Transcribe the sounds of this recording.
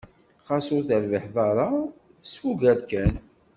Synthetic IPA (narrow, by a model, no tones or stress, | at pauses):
qɑsʊɾθəɾvəħðˤɑɾˤɑ | sfuɡæðkæn